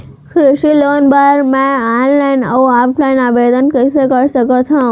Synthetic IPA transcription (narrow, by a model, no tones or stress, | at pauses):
kʰɾʊʃilonbaɾmãanlainə̰ũapʰlainaʋed̪ənkəɾisəkəɾʃəkot̪ʰɔ̃